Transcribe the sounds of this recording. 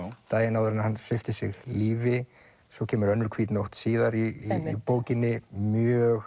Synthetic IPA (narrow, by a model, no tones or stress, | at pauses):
t̪aːjɪnawðʏɾɪnahanfɪft̪ɪsɪɣliːvɪ | sɔcʰɛːmʏɾœnːʏɾkʰv̥iːt̪nowht̪siːðaɾiipoːwcɪnːɪmjœɣ